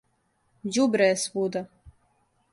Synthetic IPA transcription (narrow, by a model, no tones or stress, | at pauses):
jubɾɛsvud̪a